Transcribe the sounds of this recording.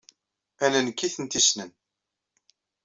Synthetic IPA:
ænənkːiθənt̪isnən

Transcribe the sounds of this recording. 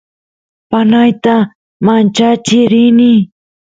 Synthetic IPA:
panajt̪a | mant͡ʃat͡ʃɪɾɪnɪ

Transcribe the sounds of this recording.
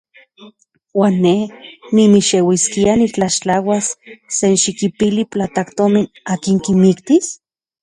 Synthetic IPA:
waːnːehnimiʃewiskianit͡ɬaʃt͡ɬawasːenʃikipiliplat̪akt̪omin | aːkiŋkimikt̪is

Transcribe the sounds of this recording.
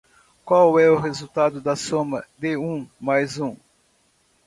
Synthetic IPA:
kwawɛʊɦezut̪ad̪ʊd̪ɐsõmɐd̪ɪũmajzũ

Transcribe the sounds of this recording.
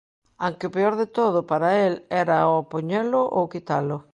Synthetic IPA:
aŋkeopeoɾðet̪oðʊpaɾaelɛɾaopoɲelʊʔowkit̪alʊ

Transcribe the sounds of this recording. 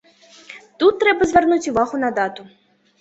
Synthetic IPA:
t̪ut̪ːɾɛbɐzʲvʲɛrnut͡sʲuvaɣʊnɐd̪at̪ʊ

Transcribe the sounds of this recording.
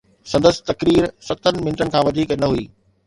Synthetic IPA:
sɐ̃nd̪əsɪ̥̆t̪ɐkɾiːɾsɐt̪ənɪ̆mɪ̃nʈənɪkʰãːʋɐd̪ʱiːknɐɦuiː

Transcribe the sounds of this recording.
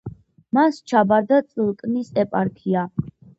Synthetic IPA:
mast͡ʃʰabaɾd̪at̪sʼəlˠkʼnisɛpʼaɾkʰia

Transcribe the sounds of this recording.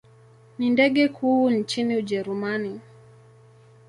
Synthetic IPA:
nindɛɠɛkʰuːnt͡ʃiniuʄɛɾumani

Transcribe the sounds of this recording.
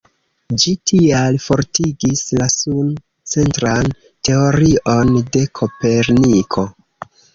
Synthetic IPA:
d͡ʒitʰialfo̞ɾtiɡislasun | t͡se̞ntɾan | te̞o̞ɾiʔo̞nde̞kʰo̞pe̞ɾnikʰo̞

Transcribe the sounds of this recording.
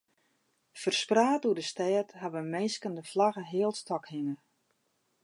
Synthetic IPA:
fərspraːtudəstɛːtɦaʋəmɛjskəndəflaɣəɦɪəlˠstɔkhɪŋə

